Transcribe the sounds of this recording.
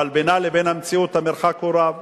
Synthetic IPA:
albenalebenamt͡siot̪ameɾxakoɾav

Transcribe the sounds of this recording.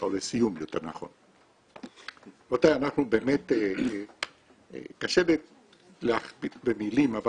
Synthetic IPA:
ʔolesijumjot̪e̞̰ʁna̰χo̞̰n | ot̪ajanaχnubeːmet̪e | kaʃebe | leaχbibemilimava

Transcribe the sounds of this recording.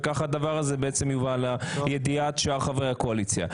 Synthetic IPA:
kaχad̪avaʁazebeet͡semjuvalajed̪iat̪ʃaʁχavʁejako̞alit͡sja̰

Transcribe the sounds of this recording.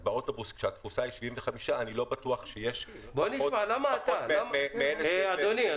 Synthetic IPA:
beo̞tobuskʃeat̪fusaiʃiviɱveχamiʃaːnilo̞batuaχʃejeʃ | boniʃmalamat̪alamemeeleadoni

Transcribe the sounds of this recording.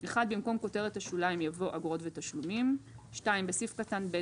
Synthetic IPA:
eχad̪̚bimko̞mko̞te̞ʁethaʃulaimjavo̞ʔaɡʁo̞tvetaʃlumimʃtaimbesifkatanbe

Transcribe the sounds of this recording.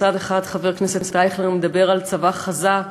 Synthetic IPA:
adeχadχaveʁknesesetajχleʁmed̪abe̞ʁalt͡savaχaza

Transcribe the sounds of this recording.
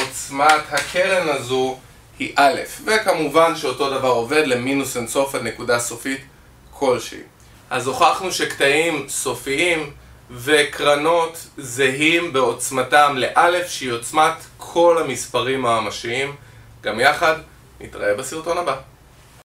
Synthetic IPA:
ot͡smathakʰeʁenazu | hiʔale̞̰fvekamuvanʃeo̞to̞davaʁo̞ve̞dle̞minusenso̞falne̞kudaso̞fit | kʰo̞lʃḛḭ | ʔazo̞χaχnuʃe̞ktaimso̞fiim | ve̞kʁano̞tzeɦimbe̞o̞t͡smatamle̞ʔale̞fʃeio̞t͡smatkʰo̞lamispaʁimamaʃiim | ɡamjaχad | nḭtʁa̰ebasiʁto̞naba

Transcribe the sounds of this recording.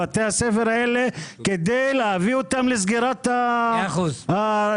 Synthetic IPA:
at̪ehasefeɾaeleked̪ejleaviot̪amles̬ɡiɾat̪auzʔa

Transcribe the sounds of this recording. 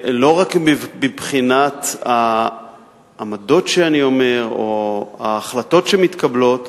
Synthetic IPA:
lo̞ʁakbibχinat̪a | mado̞tʃeanio̞me̞ʁoaːχlato̞tʃemit̪kablo̞t

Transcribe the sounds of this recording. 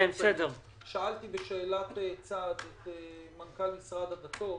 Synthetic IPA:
bsedeʁ | ʃaʔaltibeʃeːlatet͡sad̪etemankalmisʁad̪adat̪o

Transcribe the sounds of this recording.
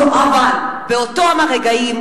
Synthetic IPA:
avalbeotoamaʁeɡaim

